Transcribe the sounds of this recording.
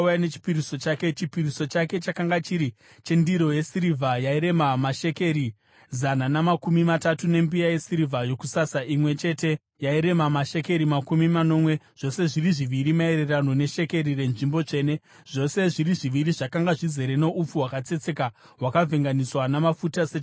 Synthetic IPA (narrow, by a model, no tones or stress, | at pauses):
janet͡ʃi̥piɾiso̞t͡ʃaːke̞t͡ʃipiriso̞t͡ʃake̞t͡ʃakaŋɡat͡ʃiɾi | t͡ʃe̞ndiɾo̞jesiɾivʱajaiɾe̞mamaʃe̞ke̞ɾi | zananamakumimatatune̞mbiaje̞siɾivʱajo̞kusasaʔimwe̞t͡ʃe̞te̞ | jaiɾe̞mamaʃe̞ke̞ɾimakumimano̞ːmwe̞ | ʐ̥o̞se̞ʐiriʐiʋiɾimae̞ɾe̞rano̞ne̞ʃe̞ke̞ɾire̞nʐimbo̞t͡ʃe̞ːne̞ | ʐ̥o̞se̞ʐiɾiʐiʋiɾiʐakaŋɡaʐize̞ɾene̞ʔup͡fuwakat͡se̞t͡se̞ka | ɦwakavʱeŋɡaniswanamafutase